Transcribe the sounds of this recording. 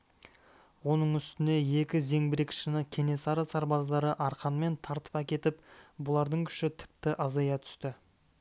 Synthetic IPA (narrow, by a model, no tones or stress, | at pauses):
wo̞nəɴʏst̪ɪne̞je̞kʲɪze̞ŋbɪɾe̞kʲɪ̥ʃɪnɪkʲʰe̞ne̞sɑɾɑsɑɾbɑzd̪ɑɾəʔɑɾqɑnme̞nt̪ʰɑɾt̪ə̥pækʲe̞t̪ɪpbʊlˠɑɾd̪əɴkʲʰʏ̥ʃɪt̪ʰɪ̥p̚t̪ɪʔɑzɑjɑt̪ʰʏ̥st̪ɪ